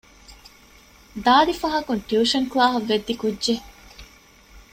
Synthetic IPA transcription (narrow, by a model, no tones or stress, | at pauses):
d̪aːd̪ifɐɦɐkunʈjuːʃɐŋklaːɦɐʋːed̪ːikudːʒe